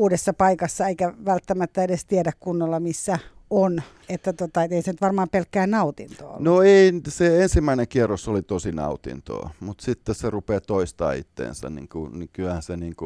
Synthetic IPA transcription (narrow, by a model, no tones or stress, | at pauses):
uːdesːɑpɑikɑsːɑeikæʋælt̪ːæmæt̪ːæedest̪iedækkunːolːɑmisːæon | et̪ːæt̪ot̪ɑet̪eisenyt̪ʋɑrmɑːmpelkːæːnnɑut̪int̪o̰ːnoeiseensimːæineŋkierːosolit̪osinɑ̰ut̪ḭnt̪o̰ːmut̪sit̪ːesserupeːt̪oist̪ɑ̰ːḭt̪ːḛːnsæ̰nnḭŋkunikylæhænseniːŋku